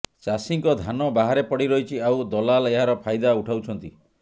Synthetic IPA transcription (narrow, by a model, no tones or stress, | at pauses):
t͡ʃasiŋkɔd̪ʱanɔbaɦaɾepɔɽiɾɔɦit͡ʃʰiawd̪ɔlaleɦaɾɔpʰajd̪auʈʰawt͡ʃʰɔnt̪i